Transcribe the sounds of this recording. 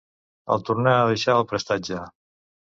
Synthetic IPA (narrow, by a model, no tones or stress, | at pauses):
ə̰lˠt̪urnɛəðəʃaəlˠpɾəst̪ad͡ʒə